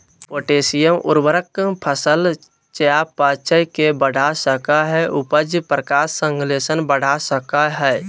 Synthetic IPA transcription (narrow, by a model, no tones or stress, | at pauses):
poːʈeːsijəmʊ̰ɾbəɾəkpʰəsəl | t͡ʃjapaːt͡ʃəjkebəɽ̤ʱasəkaɦɛʔʊpəd͡ʒpɾəkaːsːə̃ŋɡleːsənbəɽ̤ʱasəkaɦɛ